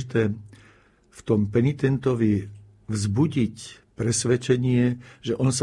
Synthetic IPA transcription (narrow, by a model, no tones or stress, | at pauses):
t̪ɛː | ft̪ɔmpɛnit̪ɛnt̪ɔʋi | vzbuɟic | pɾɛsʋɛt͡ʃɛɲɪɛʒɛʔɔns